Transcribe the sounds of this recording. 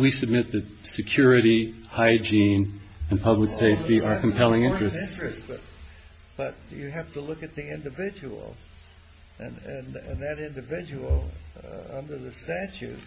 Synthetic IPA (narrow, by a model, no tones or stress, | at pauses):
wisɨb̚mɪt̪̚ðɨt̚sɨkʰj̥ʊɹɨɾihaɪd͡ʒĩnɨ̃npʰʌbləkseɪftiʔə˞kʰm̩pʰɛlˠɪ̃ŋɪ̃nt͡ʃɹ̥ɨsɹ̥ɨsb̥ʌt̚ | b̥ʌt͡ʃɨɦæftəlʊkɨt̪̚ðiɪ̃ndɨvɪd͡ʒɨwl̩ˠ | ɨ̃nɨ̃nɨ̃nðɨɾɪ̃ndɨvɪd͡ʒɨl̩ˠ | ʌ̃ndə˞ðɨstæt͡ʃʉ̰t̚